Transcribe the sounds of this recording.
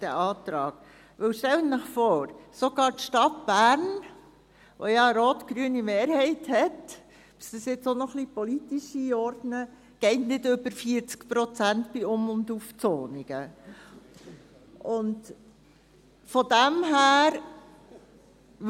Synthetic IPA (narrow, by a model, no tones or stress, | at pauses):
d̥æʔɑːtɾɑ̰ːɡ̥ | ʋɵwʃtɛlənnəχfɔːɾsoɡ̥ɑːɾtʃtɑtb̥æːɾn | ʋʔo̰jɑəɾoːtɡ̥ɾyənimeːɾɦɛɪthɛt | b̥ɪ̥sd̥̪əsjɪt͡sonɔχlipɔlitiʃiɔɾdnə | ɡ̥ɛɪtnɪdʏbəɾfiəɾt͡skpɾɔt͡sæntpiʊmʊnduft͡soːniɡ̥ə | ʔʊnd | fɔdæmɦæːɾ